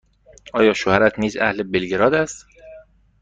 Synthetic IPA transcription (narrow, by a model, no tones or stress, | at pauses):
ʔɒːjɒːʃohæɾæt̪ʰniːzæ̰hlebelɡeɾɒːd̪æst̪